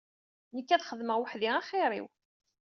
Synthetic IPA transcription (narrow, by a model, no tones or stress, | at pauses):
nəkːæðχəðməʁwəħðiæχɪɾˤḭw